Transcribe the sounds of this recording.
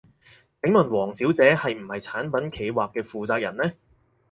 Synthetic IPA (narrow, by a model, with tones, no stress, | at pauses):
se˨˥ŋmɐ˨˩nwɔː˨˩ŋsiː˨˥wt͡sɛː˨˥hɐ˨jm̩˨˩hɐ˨jt͡sʰaː˨˥npɐ˨˥nkʰe˨˧jwaː˨kːɛː˧fuː˨t͡saː˧k̚jɐ˨˩nlɛː˥